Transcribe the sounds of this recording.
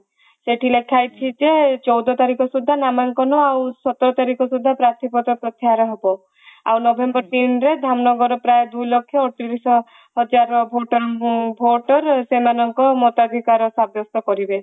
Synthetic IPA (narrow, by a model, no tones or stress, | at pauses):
seʈʰilekʰajt͡ʃʰid͡ʒet͡ʃɔwd̪ɔt̪aɾikɔsud̪ʱːanamaŋkɔnɔawsɔt̪ɔɾɔt̪aɾikɔsud̪ʱːapɾat̪ʰipɔt̪ɾɔpɾɔt̪jaɦaɾɔɦebɔ | a̰wnɔbʱembɔɾt̪inɾed̪ʱamnɔɡɔɾɔpɾajed̪ujlɔkʰːjɔːʈiɾisɔ | ɦɔd͡ʒaɾɔbʱoʈɔɾbʱoʈɔɾsemanɔŋkɔmɔt̪ad̪ʱikaɾɔsabjɔst̪ɔkɔɾibe